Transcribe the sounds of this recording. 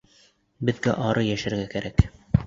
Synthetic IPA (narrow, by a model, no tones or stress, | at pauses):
bɘ̆ðɡæʔɑɾɤjæʃæ̆ɾɡækæɾæk